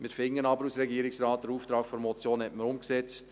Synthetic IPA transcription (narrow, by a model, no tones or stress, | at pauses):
mɪɾfɪŋːənɑbəɾusɾɛɡiːɾɪksrɑːtdəɾuːft̪ɾɑːkfɔɾmɔt͡sjoːnhɛtməɾʊmksɛt͡st